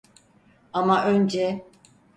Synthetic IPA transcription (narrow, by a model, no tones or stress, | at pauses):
amaʔø̞nd͡ʒɛ